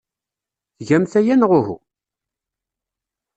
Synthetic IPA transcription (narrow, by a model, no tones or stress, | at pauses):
θʝæmθæjænʁʊhṵ